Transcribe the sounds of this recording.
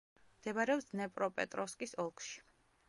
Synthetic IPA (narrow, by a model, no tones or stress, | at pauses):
md̪̥ɛbaɾɛɔsnɛpʼɾɔpʼɛ̰t̪ʼɾɔskʼisɔlˠkʰʃi̥